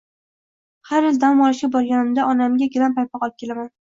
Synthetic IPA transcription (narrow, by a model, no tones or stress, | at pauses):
haɾɪld̪amɒlɪʃkʲabɒɾɡʲanɪmd̪aʔɒnamɡʲaɡʲɪlampʰajpʰɒqɒlˠp̚kʲʰe̞laman